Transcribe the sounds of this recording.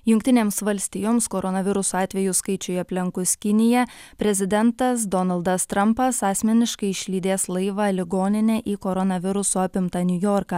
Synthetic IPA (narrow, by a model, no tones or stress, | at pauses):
jʊŋʲkʲt̪ʲɪnʲeːmsʋɐlʲsʲt̪ʲɪjoːmskoɾɔnɐʋʲɪɾʊsoɑːt̪ʲʋʲɛjʊskɐɪt͡ʃʲʊɐpʲlʲɪŋkʊskʲɪnʲɪjɛpʲɾʲɛzʲɪd̪ʲɛnt̪ɐsd̪ɔnɐlˠd̪ɐst̪ɾɐmpɐsɑːsʲmʲɛnʲɪʃkɐɪɪʃʲlʲiːd̪ʲeːslˠɐɪʋɑlʲɪɡoːnʲɪnʲɛʔiːkoɾɔnɐʋʲɪɾʊsoːɑpʲɪmt̪ɐnʲʊjoːɾkɑː